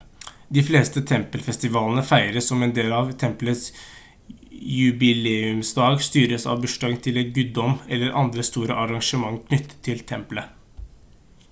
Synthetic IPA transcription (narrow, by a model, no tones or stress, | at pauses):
d̪ɪfleːst̪ət̪ʰɛmpəlfɛst̪ɪʋɑːlənəfæɪɾəsɔmɛnd̪eːlɑʋt̪ʰɛmplət̪s | jʉbɪleːʉmsd̪ɑːɡst̪yːɾəsɑ̰ʋbʉʂʈɑɡənt̪ʰɪlɛnɡʉːd̪ɔmɛlːəɾʔɑ̰nd̪ɾəst̪uːɾə̰ʔɑɾɑŋʂəmɑŋːkʰnʏt̪ʰːə̥t̪ʰːɪlt̪ʰɛmplə